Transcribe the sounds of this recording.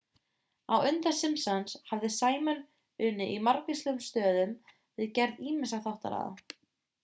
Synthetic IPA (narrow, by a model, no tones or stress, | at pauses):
awʏnt̪asɪmsanshavðɪsaːjmœn | ʏːnːɪʔimaɾkislœʏmst̪œːðʏm | vɪðcɛɾðiːmɪsaθawht̪a̰ɾa̰ːða̰